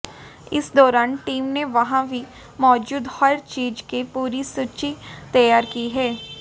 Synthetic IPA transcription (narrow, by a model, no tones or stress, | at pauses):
ɪsd̪ɔːɾaːnʈiːmneʋɐɦãbʱi | mɔːd͡ʒuːd̪hɐɾt͡ʃiːd͡ʒkepuːɾisut͡ʃit̪ɐjaːɾkiɦɛː